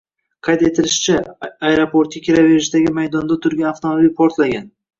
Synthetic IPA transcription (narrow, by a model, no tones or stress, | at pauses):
qʰɑjt̪et̪ʰɪlɪʃt͡ʃʰɪajɾopoɾt̪̚akʲʰeɾaveɾɪʃd̪aɡʲɪmajd̪ɒnd̪at̪ʰʊɾɡʲanaft̪ʰomabilpʰoɾt̪laɡʲan